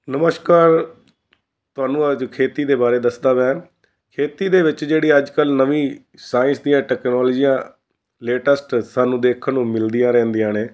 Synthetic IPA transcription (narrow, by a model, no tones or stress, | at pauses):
nəməʃkaːɾ | t̪ʊaːnũːəd͡ʒkʰeːt̪iːd̪eːbaːɾeːd̪əsd̪aːʋɛː | kʰeːt̪iːd̪eːʋɪt͡ʃd͡ʒeːɽiːəd͡ʒkəlnəʋĩː | saːɪ̃nsd̪ijãːʈɛːknɔːld͡ʒiːãː | leːʈəsʈsaːnũːd̪eːkʰənũːmɪld̪ijãːɾɛ̃ːnd̪ijãːneː